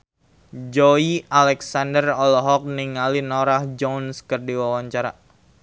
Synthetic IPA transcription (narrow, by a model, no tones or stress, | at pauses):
d͡ʒoialɛksandərɔlɔɦɔk̚niŋalinɔɾahd͡ʒɔnskərdiwawaɲt͡ʃaɾa